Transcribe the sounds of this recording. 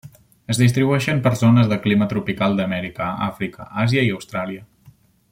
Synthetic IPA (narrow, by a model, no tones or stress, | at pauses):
əzðist̪ɾiβuɛʃəmpəɾzonəzðəklimət̪ɾupikalˠd̪əmɛɾikəa̰fɾikə̰ʔaziəiəwst̪ɾaliə